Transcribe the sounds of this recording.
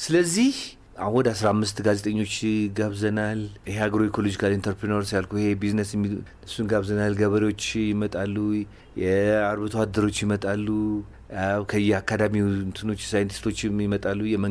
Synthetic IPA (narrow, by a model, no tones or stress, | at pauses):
sɨləzːih | ahɔd̪asɾamːɨst̪ɡaze̞t̪ʼəɲːo̞t͡ʃːɡaβzənalɨheaɡɾo̞ikʰo̞lo̞d͡ʒikʰalint̪ʰəɾpɾinoɾsjalkʰuihebiznəsjmːi | ɨsunɡaβzənalɡəβəɾewo̞t͡ʃːjɪmət̪ʼalːu | jɛaɾβɨt̪ʰwad̪ɨɾo̞t͡ʃːjɪmət̪ʼalːu | kʰəjːɛakʰːad̪amint̪ʰɨno̞t͡ʃːsajnt̪ʰi̥st̪ʰo̞t͡ʃːɪmjɪmət̪ʼalːujɛmə